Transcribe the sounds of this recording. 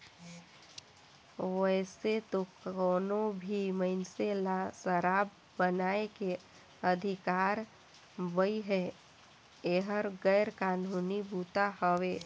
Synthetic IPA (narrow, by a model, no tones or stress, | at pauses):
ʋɛːset̪okɔːnobʱiməɪnselasəɾaːbːənaːeke | əd̪ʱɪkaːɾ | bəiɦɛ | eɦəɾɡəːɾkaːnuːnibuːt̪ahəweː